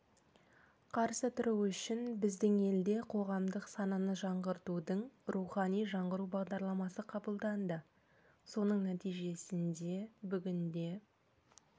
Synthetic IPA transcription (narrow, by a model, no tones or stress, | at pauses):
qʰɑɾsət̪ʰʊɾuwʏʃɪnbɪzd̪ɪŋe̞ld̪e̞qʰo̞ʁɑmd̪əqsɑnɑnəʒɑɴʁəɾt̪ud̪əɴɾʔuχɑnijʒɑɴʁəɾubɑʁd̪ɑɾlˠɑmɑsəqʰɑbəlˠd̪ɑnd̪ə | so̞nəɴnæt̪ijʒe̞sɪnd̪e̞bʏɡʲɪnd̪e̞